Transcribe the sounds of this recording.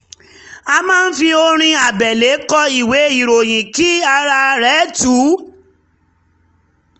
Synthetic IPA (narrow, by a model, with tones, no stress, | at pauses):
a˧mãː˦n̩˦fi˧o˧ɾ̃ĩ˧a˨bɛ˨le˨˦kɔ˦i˨we˨˦i˦˨ɾo˨j̃ĩ˨ki˦a˧ɾa˧ɾɛ˦tu˨˦